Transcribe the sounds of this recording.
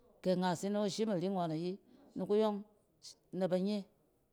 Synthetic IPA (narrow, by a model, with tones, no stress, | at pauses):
ke˨ŋa˨si˦no˦o˦ʃi˦ma˨ɾi˦ŋʷa˨na˨ji˦nu˨ku˦jo˦ŋ | na˨ba˧ɲe˦